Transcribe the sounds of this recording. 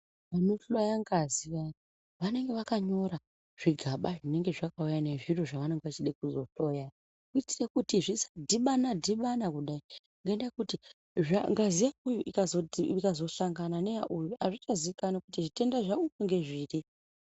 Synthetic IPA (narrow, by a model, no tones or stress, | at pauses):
ʋano̞ɬojaŋɡaziʋa | ʋane̞ŋɡe̞ʋakaɲo̞ɾa | ʐ̥iɡʱaɓaʐine̞ŋɡe̞ʐakaujane̞ʐiro̞ʐaʋane̞ŋɡeʋat͡ʃiɗek̚uzo̞ɬo̞ja | kuitirekutiʐisḁdʱiɓanadʱiɓanakuɗai | ŋɡaendakuti | ʐaŋɡazijakujuʔikazoikazo̞saŋɡanane̞jaʔujuʔaʐit͡ʃaziikanakutiʐite̞ndaʐaukoŋɡe̞ʐiːri